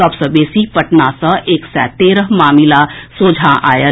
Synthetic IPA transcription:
əpsəbeːsipəʈnasə̃ʔeːksɛːt̪eːɾəɦmaːmilasoːd͡ʒʱãʔa̰ːjə

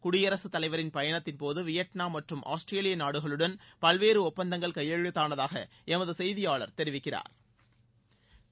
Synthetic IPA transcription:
kʊɽɪjɐɾɐsɯt̪ːɐlɐɪʋɐɾɪnpɐjɐɳɐt̪ːɪnpoːðɯʋɪjɐʈnaːmɐʈrɯmʔa̰ːsʈreːlɪjɐnaːɽɯɣɐɭɯɽɐnpɐlʋeːɾɯɔpːɐnd̪ɐŋɡɐɭkɐjɐɻɐt̪ːaːnɐðaːɣɐ̰ | ʔɛmɐðɯsɛjðɪjaːɭɐ̰ɾt̪ɛɾɪʋɪkːɪra̰ːɾ

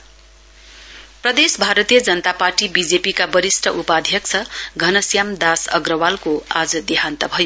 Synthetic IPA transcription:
prʌd̪esbʱaɾʌt̪ijʌd͡zʌnʌt̪aparʈibid͡zepikabʌɾisʈʰʌʔupad̪ʱjʌk̚t͡sʰʌɡʱʌnʌsjamd̪asʌ̰ɡrʌwalkoad͡zʌd̪iɦant̪ʌbʱʌjo

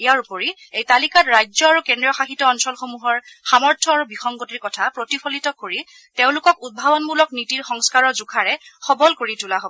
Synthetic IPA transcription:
ijaɹupoɹi | ejtalikatɹajzɔaɹukendɹiɔxaxitːɔɔnsɔlxomuɦɔɹxamɔɹtʰɔaɹubixɔŋkotikɔtʰapɹotipʰɔlitɔkoɹi | teʊ̃lʊkɔkud̚bʱabɔnmulɔknitiɹxɔŋskaɹɔɹzukʰaɹɛxɔbɔlkoɹitulaɦobɔ

